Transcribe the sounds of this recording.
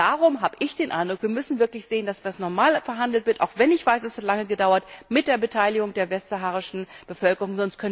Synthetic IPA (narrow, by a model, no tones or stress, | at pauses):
aːʁʊmɦaːbəʔɪçd̥eːnʔa̰ɪndʁʊkv̥iːɐmʏsn̩vɪɐklɪçz̥eːəndasvasnɔɐmaːlfɛɐɦandl̩tv̥ɪɐtʔaʊxv̥ɛnɪçv̥aɪsɛshatlaŋəɡədaʊɐtmɪt̚d̥eːɐbətʰaɪlɪɡʊŋdeːɐvɛstz̥aɦaːʁɪʃn̩ | b̥əfœlkəʁʊŋzɔnst̚kʰœnə